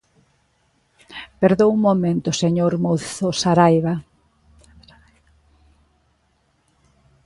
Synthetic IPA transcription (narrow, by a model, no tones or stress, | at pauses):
peɾðowumomẽnt̪ʊseɲoɾmoθosaɾajβa